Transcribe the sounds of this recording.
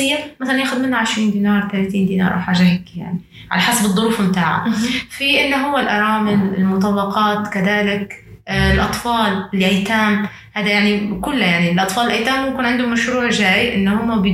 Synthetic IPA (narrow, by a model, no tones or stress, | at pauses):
ɪjːamaθalanjaːxʊd̪mɪnːaʕɪʃɾiːnd̪iːnɑːɾˤt̪alat̪iːnd̪iːnɑ̰ːɾʔa̰wħaːʒahakːija̰ʕni | ʕa̰laħasabɨðˤːʊɾuːfmt̪aːʕa̰fiʔɪnːʊɦʊwːalʔɑɾˤɑːmɪlɪlmʊt̪̬ˤɑlːɑqɑːt̪kaðaːlɪklʔɑt̪ˤfɑːlɪlʔajt̪aːm | haːd̪ajaʕnikʊlːajaʕnilʔɑt̪ˤfɑːlɪlʔajt̪aːmːʊmkɪnʕɪnd̪ʊmaʃɾuːʕʒaːjʔɪ̰nːhʊmːab